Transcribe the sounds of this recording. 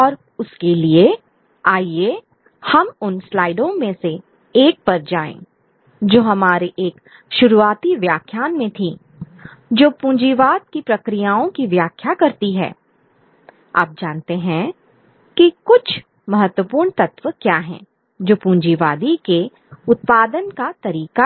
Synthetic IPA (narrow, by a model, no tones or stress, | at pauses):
ɔːɾ | ʊskelie | aːie | hɐmʊnslaːɪɖõmẽse | eːk̚pɐɾd͡ʒaːḛ̃ː | d͡ʒoːɦɐmaːɾeʔeːk | ʃʊɾuaːt̪iʋjaːkʰjaːnmẽt̪ʰĩ | d͡ʒoːpũːɲd͡ʒiʋaːd̪̚kipɾɐkɾijaːõkiʋjaːkʰjakɐɾt̪iɦɛ̰ː | a̰ːp̚d͡ʒaːnt̪eɦɛ̃ | kikʊt͡ʃʰ | mɐɦət̪wəpuːɾɳt̪ɐt̪ʋəkjaːɦɛ̰̃ː | d͡ʒoːpũːnd͡ʒiʋaːd̪ike | ʊt̪̚paːd̪ənkat̪ɐɾiːka